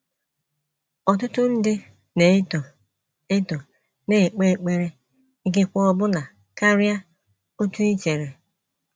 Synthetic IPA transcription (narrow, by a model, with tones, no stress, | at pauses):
ɔ˨tʊ˦tʊ˦n̩˦dɪ˦ | ne˨˦to˨ | e˦tɔ˨ | ne˨k͡pe˦˨k͡pe˦ɾe˦ | i˦ɡɪ˦kʷɔ˦ɔ˦bʊ˦na˨ | ka˦ɾja˦ | o˦tu˦i˦t͡ʃe˨ɾe˨